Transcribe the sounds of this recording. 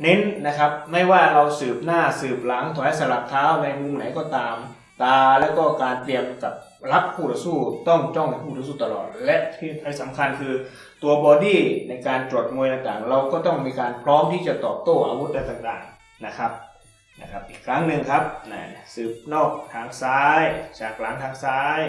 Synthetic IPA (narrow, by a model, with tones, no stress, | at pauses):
ne˦˥nna˦˥kʰa˦˥p̚ma˥˩jwaː˥˩ɾa˧wsɯː˨˩p̚naː˥˩sɯː˨˩p̚la˩˦ŋt̪ʰɔː˨˦˥sa˨˧˦la˨˩p̚t̪ʰaː˦˥wna˧jmu˧mna˩˦jkɔː˧˥˩t̪aː˧m | t̪aː˧lɛ˦˥wkɔː˥˩kaː˧nt̪li˧əmka˨˩p̚ | ɾa˦˥p̚kʰuː˥˩ɔa˧˥suː˥˩t̪ɔ˥˩ŋt͡ɕɔ˥˩ŋa˧˩pʰuː˥˩t̪a˧˥suː˥˩t̪a˧lɔ̰ː˨˩t̪̚lɛ˦˥ʔt̪ʰiː˥˩a˧˩jsa˩˦mkʰa˧nkʰɯː˧ | t̪u˧ɐbɔː˧diː˥˩na˧jkaː˧nt͡ɕu˨˩ət̪̚mu˧jt̪aː˨˩ŋt̪aː˨˩ŋɾa˧wkɔː˥˩t̪ɔ˥˩ŋmiː˧kaː˧npʰɾɔː˦˥mt̪ʰiː˥˩t͡ɕa˨˩t̪ɔː˨˩p̚t̪oː˥˩ʔa̰ː˧wu˦˥t̪̚da˧˩t̪aː˨ŋt̪aː˨˩ŋ | na˦˧˥kʰa˦˥p̚ | na̰˦˧˩kʰa˦˥p̚ʔiː˨˩kʰːɾa˦˥ŋnɯ˧ŋkʰa˦˥p̚na̰˧˩sɯː˨˩p̚nɔː˥˩k̚t̪ʰaː˧ŋsaː˦˥jt͡ɕaː˨˩k̚la˨˦ŋt̪ʰaː˧ŋsaː˦˥j